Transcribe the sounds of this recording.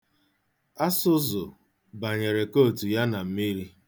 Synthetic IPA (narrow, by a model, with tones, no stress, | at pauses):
a˦sʊ˦zʊ˨ | ba˨ɲe˨ɾe˨ko˦˨tu˨ja˦na˨m̩˦mi˦ɾi˦